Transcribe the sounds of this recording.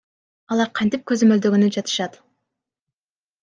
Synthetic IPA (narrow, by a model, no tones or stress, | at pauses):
ɑlˠɑɾqʰɑnt̪ip̚køzø̞møld̪ø̞ɡynyd͡ʒɑt̪ɯ̥ʃɑt̪